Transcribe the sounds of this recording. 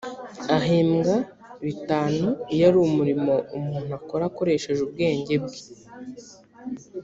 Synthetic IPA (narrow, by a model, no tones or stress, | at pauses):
aɦiːmɡa | βitaːnuijaɾuumuɾimo̞umuːn̥uako̞ɾako̞ɾe̞ʃe̞ʒub̚ɡe̞ːɲɟe̞b̚ɡi̥